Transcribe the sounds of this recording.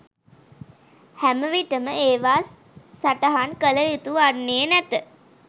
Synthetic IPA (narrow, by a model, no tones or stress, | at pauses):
hæməʋiʈəməeːʋaːsː | aʈəɦankələjut̪uanːeːənæt̪ə